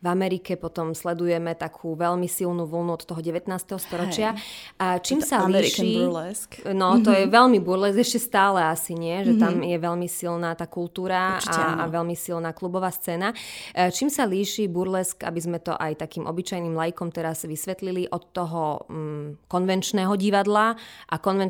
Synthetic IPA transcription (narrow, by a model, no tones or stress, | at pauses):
vamɛɾikɛpɔt̪ɔmslɛd̪ujɛmɛt̪akʰuːʋɛʎmisilˠnuʋl̩nuɔt̪ːɔɦɔɟɛʋɛt̪naːst̪ɛɦɔst̪ɔɾɔt͡ʃɪat͡ʃiːmsaliʃi | nɔt̪ɔjɛʋɛʎmibuɾlɛzɛʃcɛst̪aːlɛasiɲɪɛʒɛt̪amjɛʋɛʎmisilnaːt̪aːkult̪uːɾaa̰ʋɛlmisilnaːklubɔʋaːst͡sɛːnat͡ʃiːmsaliːʃiːbuɾlɛska̰bizmɛt̪ɔ̰ʔajt̪akiːmʔɔ̰bit͡ʃajnimlajikɔmt̪ɛɾazʋisʋɛt̪liliʔɔt̪ːɔɦɔ | kɔnʋɛnt͡ʃnɛɦɔɟiʋad̪laʔakɔnʋɛn